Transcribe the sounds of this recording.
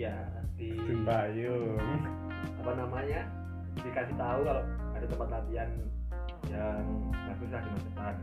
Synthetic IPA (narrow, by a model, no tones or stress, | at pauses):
ja | t̪isimbaju | apanamaɲa | dikasit̪aulal | adat̪əmpat̪lat̪ian | jaŋhasusakimat͡ʃəpat̪̚